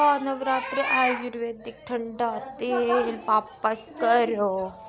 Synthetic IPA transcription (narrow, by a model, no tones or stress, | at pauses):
aːnɐʋɾaːt̪ɾeʔaːd͡ʒuɾʋeːd̪ɪk̚ʈʰəɳɖaːt̪eɦeʋaːpəskəɾoː